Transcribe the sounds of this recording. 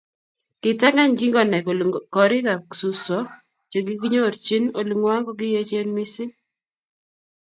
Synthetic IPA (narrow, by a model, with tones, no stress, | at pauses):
kɪ˨ta˦ŋa˦ɲɡi˦ŋɡɔ˨nɛ˨kɔ˨ɾɪ˦ka˨ksu˨sɔ˨˦ | t͡ʃo˨ɡi˦ki˦ɲo˦˨ɾt͡ʃi˦no˨lu˨ŋwa˦kɔ˦ɡɪ˦je˦t͡ʃe˦nmi˦sɪ˦